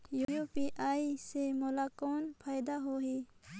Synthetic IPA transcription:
juɾoːpiʔaːisemolaːkoːnpʰaːjd̪aɦoɦi

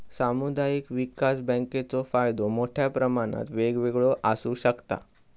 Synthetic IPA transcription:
samud̪ajikʋikasbə̃ŋket͡sofajd̪omoʈʰjapɾəmaɽ̃a̰t̪ʋeɡʋeɡɭoʔasuːɕəkt̪a̰

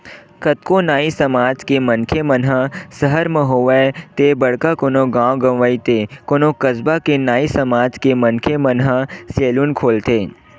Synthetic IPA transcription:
kɐt̪konaːisɐmaːd͡ʒkemɐnkʰemɐnɦasəɦəɾmẽɦoːʋɛt̪ebɐɽkakoːnõɡãːwɡɐ̃mʋəit̪ekoːnõkɐzbakenaːisɐmaːd͡ʒkemɐnkʰemɐnɦaseːlunkʰoːlt̪eː

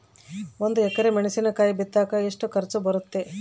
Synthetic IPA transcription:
ond̪uɛkːɐɾemeɳɐsinɐkaːjibit̪ːaːkɐeʂʈukɐɾt͡ʃubɐɾut̪ːe̞

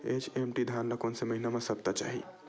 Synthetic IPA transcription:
ḛt͡ʃemʈid̪ʱanlakonseməɦinamesəb̚t̪at͡ʃa̰ɦḭ

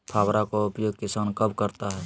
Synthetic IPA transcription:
pʰaːbɾakoʊpjoːɡ̚kɪsaːnkəbkəɾt̪aɦɛː

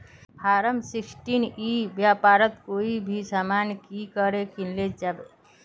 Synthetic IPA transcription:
pʰaːɾəmsɪksʈinibjaːpaːɾət̪koibʱisamankikəɾekinled͡ʒaːbe

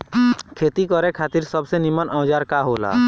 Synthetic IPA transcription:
kʰeːt̪ikɔɾɛkʰaːt̪iɾsəbsenimənʔɔ̃ːd͡ʒaːɾkaɦola̰

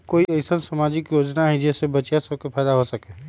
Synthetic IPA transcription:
koːiəɪsənsəmaːd͡ʒɪkjoːd͡ʒnaɦɛd͡ʒɛːsebət͡ʃjasəbkepʰɛːd̪aɦosɐkẽː

